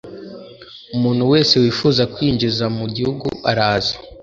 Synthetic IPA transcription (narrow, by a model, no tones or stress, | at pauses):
umuːn̥huwe̞ːse̞wiːfuːzakwiːɲd͡ʒizamuɟihuɡṵaɾaːza